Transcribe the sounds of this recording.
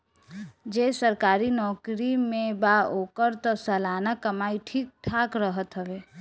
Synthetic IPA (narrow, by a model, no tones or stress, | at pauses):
d͡ʒesəɾkaːɾinɔːkɾimẽbaokəɾt̪ɔsəlaːnakəmaːiʈʰiːk̚ʈʰaːkɾəɦət̪ɦəʋe